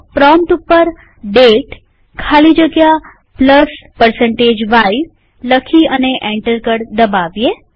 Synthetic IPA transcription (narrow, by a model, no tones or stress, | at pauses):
pɾɔmʈ̪upːəɾ | ɖeʈ | kʰalid͡ʒəɡja | pləspəɾsə̃ɳʈed͡ʒʋai | ləkʰiəneʔɛ̃ɳʈəɾkəɽd̪əbaʋje